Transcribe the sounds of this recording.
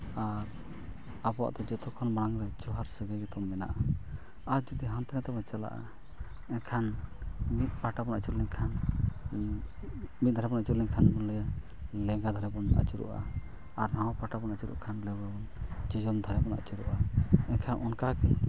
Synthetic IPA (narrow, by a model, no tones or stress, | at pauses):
aɾ | abɔwa̰ʔt̪ɔd͡ʒɔt̪ʰɔkʰɔnbaɽaŋɾɛd͡ʒɔɦaɾsɛɡɛɡɛt̪ɔmːɛna̰ʔa | aɾd͡ʒɔd̪iɦant̪ɛnɛt̪ɔbɛt͡ʃala̰ʔa̰ | ɛkʰanmit̪̚ˀpaʈabɔnat͡ʃuɾlɛɲkʰan | mit̪̚d̪ʱaɾɛbɔnat͡ʃuɾlɛɲkʰanbɔnlɛja | lɛɡad̪ʱaɾɛbɔnʔa̰t͡ʃuɾṵʔa̰ː | ɾnawɔ̃paʈabɔnat͡ʃuɾṵʔkʰanlɛbɔbɔnd͡ʒɔd͡ʒɔmd̪ʱaɾɛbɔna̰ʔt͡ʃuɾuʔaɛnkʰanʔɔnkakɛ̰